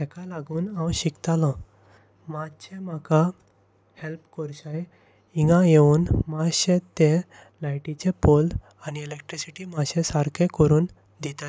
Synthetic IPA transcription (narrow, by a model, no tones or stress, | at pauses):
t̪ɛkalaɡuːnãwɕikt̪alɔ̃ | mat͡ɕẽmaka | helpkɔɾɕaje | iɡãjeuːnmaɕẽt̪e | lajʈit͡ɕepold | añielek̚ʈɾisiʈiːmaɕẽsaɾkʰẽkəɾuːn | d̪ʱit̪a